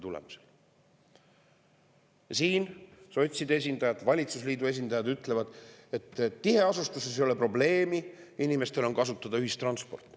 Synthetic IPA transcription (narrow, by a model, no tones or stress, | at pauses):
t̪ulḛmuse̥l | siːnso̞t̪ʲsid̪e̞s̬ʲind̪̥ɑjɑd̪vɑlʲit̪susliːd̪ue̞s̬ʲind̪̥ɑjɑd̪yt̪ːˑle̞vɑd̪̥e̞t̪ːihe̞ɑsust̪uses̬jo̞lepro̞ble̞ːmiinime̞st̪e̞lo̞nkɑsut̪ːˑɑd̪̥ɑyɦist̪rɑnspo̞̰rt̪ːˑ